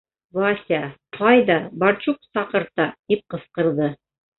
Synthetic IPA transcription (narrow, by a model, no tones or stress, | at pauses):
vasʲaqʰɑjd̪ɑbɑɾt͡ɕuq̚sɑqɤ̆ɾt̪ɑt̪ip̚qɤ̆sqɤ̆ɾðɤ